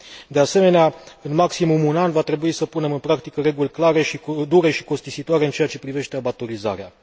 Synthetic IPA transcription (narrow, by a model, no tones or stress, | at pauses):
d̪e̞ase̞me̞neaɨnmaksimumunanvat̪ɾe̞buisəpune̞mɨnpɾakt̪ikəɾe̞ɡulʲklaɾe̞ʃid̪uɾe̞ʃi̥ko̞st̪isit̪oaɾe̞ɨnt͡ʃe̞jat͡ʃe̞pɾive̞ʃt̪e̞abat̪o̞ɾiza̰ɾea